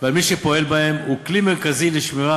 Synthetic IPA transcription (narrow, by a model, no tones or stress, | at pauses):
valmiʃepo̞e̞lbae̞muklimeʁkazileʃmiʁa